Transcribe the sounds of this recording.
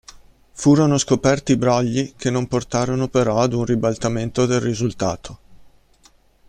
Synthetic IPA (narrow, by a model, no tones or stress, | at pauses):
fuːɾonoskopɛrt̪ibɾɔʎːikenːomport̪aːɾonopeɾɔad̪unribalt̪ament̪od̪elrizult̪a̰ːt̪ʰo̥